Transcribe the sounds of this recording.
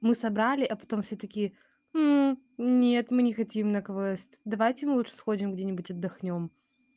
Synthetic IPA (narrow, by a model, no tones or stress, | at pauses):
mɨsɐbɾalʲɪʔɐpɐ̥t̪o̞mfsʲot̪əkʲɪ | nʲet̪mɨnʲɪxɐtʲimnɐkɐvosʲtʲd̪ɐvajtʲɪmɨlˠutʂɨ̥sxo̞dʲɪmɡdʲenʲɪbʊtʲɐd̪ːɐxnʲo̞m